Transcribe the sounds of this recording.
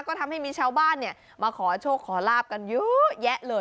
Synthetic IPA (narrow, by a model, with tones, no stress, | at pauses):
kɔː˥˩t̪ʰa˧mha˥˩jmiː˧t͡ɕʰaː˧wbaː˥˩nːi˥˩ɐ | maː˧kʰɔː˩˦t͡ɕʰoː˥˩kʰːɔː˩˦laː˥˩p̚ka˧njɯː˦˥jɛ˦˥ʔlɤː˧